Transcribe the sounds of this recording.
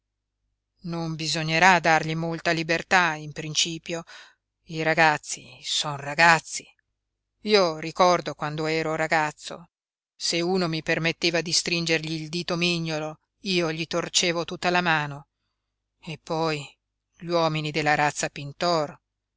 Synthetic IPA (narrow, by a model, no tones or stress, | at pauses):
nombizoɲːeɾad̪ːarʎimolt̪alibert̪aimpɾint͡ʃiːpjo | iɾaɡat̪sːisɔnraɡat̪sːi | iːorikɔrd̪okwand̪oɛːɾoɾaɡat̪sːo̰ | seuːnomipermet̪ːeːvad̪ist̪ɾind͡ʒerʎiːld̪iːt̪omiɲːolo | iːoʎit̪ort͡ʃeːvot̪ut̪ːalamaːno | epːɔj | ʎwɔːminid̪elːaɾat̪sːapint̪ɔr